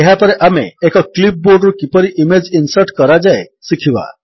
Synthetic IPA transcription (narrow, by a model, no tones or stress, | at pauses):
eɦapɔɾeʔameːkɔklip̚boɾɖɾukipɔɾiʔimed͡ʒinsəɾʈkɔɾad͡ʒaesikʰiba̰